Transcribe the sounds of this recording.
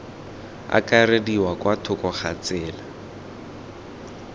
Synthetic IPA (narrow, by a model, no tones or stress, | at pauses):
a̰kʼarediwakwatʰʊkɔχat͡sɪːla